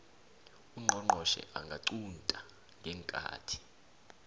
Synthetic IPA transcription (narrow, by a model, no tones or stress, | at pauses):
uŋ͡ǃʱɔŋ͡ǃʱɔʃɛ̰ʔaŋɡʱaǀuntʼa | ŋɡʱɛːŋkʼa̰ːtʰi̥